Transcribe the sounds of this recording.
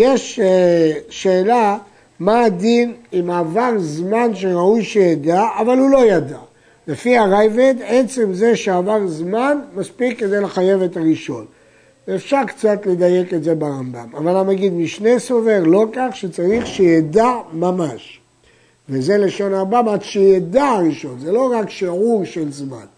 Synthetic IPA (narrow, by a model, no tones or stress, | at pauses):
jeʃ | ʃeːla | maːd̪inimaːvaʁzmanʃe̞ʁaujʃejed̪aːvalulo̞jad̪a | lefiaʁajved̪e̞t͡semze̞ʃeavaʁzmanmaspikːe̞d̪e̞jleχaje̞ve̞t̪aʁiʃo̞̰n | veːfʃaʁkt͡sat̪led̪aje̞ketze̞baʁamba̰mavalamaɡid̪miʃne̞so̞ve̞ʁlo̞kaχʃet͡saʁiχʃejed̪amamaʃ | veze̞leʃo̞naʁambamadʃejad̪aʁiʃo̞nzelo̞ʁakʃiʕuʁʃe̞lzma̰n